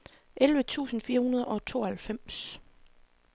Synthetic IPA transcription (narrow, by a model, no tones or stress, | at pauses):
ʔelʋət͡sʰṵːsn̩fiːɐhunɐð̞ˠɐʔɒ̽t͡sʰo̝̰ːɐhælfem̰s